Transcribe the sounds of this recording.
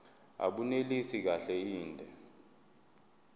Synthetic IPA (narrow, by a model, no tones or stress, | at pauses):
a̰ɓunelisik̬aɬɛiːndʱɛ